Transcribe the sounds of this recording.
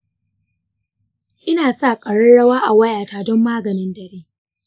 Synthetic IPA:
ʔɪ˦naː˨sa˦˨kʼɐ˨ɽɐ˦ɽɐ˦waː˦ʔa˨wɐ˦jaː˨taː˦˨dɔ˦mːaː˦ɡɐ˨nɪ˦ndɐ˨ɽeː˦

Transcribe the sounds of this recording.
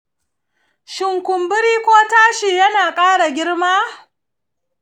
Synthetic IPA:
ʃɪ˨ŋkʷʊ˨mbʊ˦ɾiː˦kʷoː˦taː˦ʃiː˨jɐ˦naː˨kʼaː˦ɽa˨ɡʲɪ˦ɽmaː˦

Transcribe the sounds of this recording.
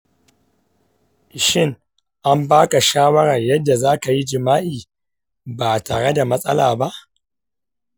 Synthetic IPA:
ʃɪ˦ŋ | ʔa˦mbaː˦ka˨ʃaː˦wɐ˦ɽɐ˨rjɐ˦dːa˨zaː˦ka˨ji˦d͡ʒɪ˨maː˦ʔiː˨ | baː˨taː˨ɽe˦da˨mɐ˦sʼɐ̰˦laː˨ba˦ʔ

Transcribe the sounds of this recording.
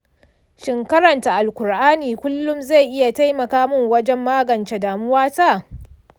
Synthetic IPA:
ʃɪ˨ŋkɐ˦ɾɐ˨nta˨ʔa˨lkʷʊ˨ɾʔaː˦niː˨kʷʊ˦lːʊ˦mza˦˨jʔɪ˦ja˨ta˦jmɐ˨kaː˦mʊ˦ŋwɐ˦d͡ʒɛ˦mːaː˦ɡɐ˨nt͡ʃe˨daː˨mʊ˦waː˦ta˦˨

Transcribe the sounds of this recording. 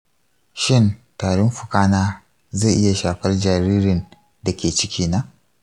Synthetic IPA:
ʃɪ˦ntaː˨ɽʊ˦mɸʊ˨kaː˦naː˦ | ze˦˨ʔɪ˦ja˨ʃaː˨ɸɐ˦rd͡ʒaː˨ɾiː˦ɾɪ˨n | da˨kʲeː˨t͡ʃɪ˦kʲʰiː˦na˦

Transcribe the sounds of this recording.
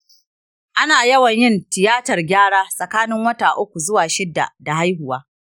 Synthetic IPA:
ʔa˦naː˨jɐ˦wɐ˨ɲjɪ˦˨ntɪ˨jaː˦tɐ˨rɡʲaː˦ɽaː˦sʼɐ˨kaː˦nɪ˦ŋwɐ˦taː˨ʔʊ˦kʷu˨zʊ˦waː˨ʃɪ˦dːa̰˨da˨ha˦jɦʊ˨waː˦

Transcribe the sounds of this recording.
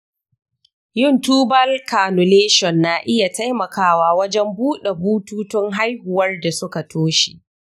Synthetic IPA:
jɪ˦˨ntuː˦bɐ˦lkaː˨nʊ˨leː˦ʃɔ˨nːaː˨ʔɪ˦ja˨ta˦jmɐ˨kaː˦waː˦wɐ˦d͡ʒɛ˦mbuː˦ɗe˨buː˦tuː˦tʊ˦ŋɦa˦jhʊ˨wɐ˦rda˨sʊ˦ka˨tʰoː˦ʃi̥̰˨ʔ

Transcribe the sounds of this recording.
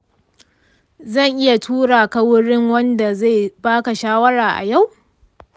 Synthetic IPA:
zɐ˦˨ŋʔɪ˦ja˨tʰuː˦ɽaː˨ka˦wʊ˦ɽɪ˦ŋwɐ˦nda˨za˦˨baː˦ka˨ʃaː˦wɐ˦ɽaː˨ʔa̰˨ja˦˨w

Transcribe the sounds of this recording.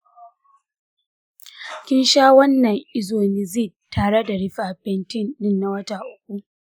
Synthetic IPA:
kʲɪ˦nʃaː˦wɐ˦nːɐ˨ŋʔɪ˦zoː˨nɪ˦˨zɪ˦˨ | tʰːaː˨ɽe˦da˨ɽɪ˦ɸaː˨ɸɛ˨ntɪ˦˨nːɪ˦˨nːa˨wɐ˦taː˨ʔʊ˦k̚ʷu˦ʔ

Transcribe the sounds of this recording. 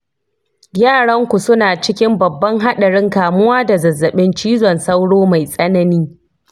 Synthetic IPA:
ɡʲaː˦˨ɽɐ˦ŋkʷu˨sʊ˦naː˨t͡ʃɪ˦kʲɪ˦mbɐ˨bːɐ˦ŋɦa˦ɗɐ˨ɽɪ˦ŋkaː˨mʊ˦waː˦da˨zɐ˨zːɐ˨ɓɪ˦nt͡ʃiː˦zɔ˨nsɐ˦wɽoː˦ma˨jsʼɐ˦nɐ˦niː˦

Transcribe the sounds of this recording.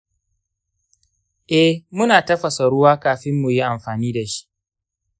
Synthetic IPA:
ʔɛ˦hmʊ˦naː˨tɐ˦ɸɐ˨sa˨ɽʊ˦waː˦kaː˨ɸɪ˦mːu˨ji˦ʔa˨mɸaː˨niː˦da˨ʃi̥˦ʔ

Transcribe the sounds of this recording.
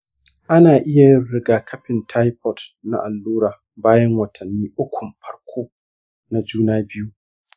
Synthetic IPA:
ʔa˦naː˨ʔɪ˦ja˨jɪ˦ɽɪ˦ɡaː˨kʰɐ˦ɸɪ˨ntʰa˦jpʰɔ˦tna̰˨ʔa˨lːuː˦ɾaː˨ | baː˦jɛ˦ŋwɐ˨tʰɐ˨nːiː˦ʔʊ˦kʷʊ˨mɸɐ˦ɽkʷʰoː˦ | na˨d͡ʒuː˦naː˦bɪ˦ju˦ʔ

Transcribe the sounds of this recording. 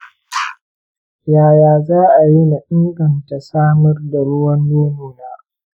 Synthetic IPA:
jaː˨jaː˨zaː˦ʔa˨ji˦na˨ʔɪ˦ŋɡɐ˨nta˨saː˦mɐ˦rda˨ɽʊ˦wɐ˦nːoː˦mi˨naː˦

